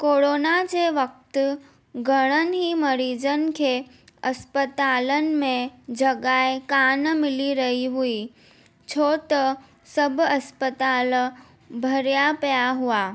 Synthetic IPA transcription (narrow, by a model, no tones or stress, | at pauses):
koɽoːnad͡ʑeʋək̚t̪ | ɡʱəɽ̃ənɦiməɾiːd͡ʑənkʰe | ɐspət̪aːlən̆mẽd͡ʑəɡaekanmɪliɾɐɦiɦui | t͡ɕʰot̪ə | səbʱɐspət̪aːl | bʱəɾjapjaɦuaː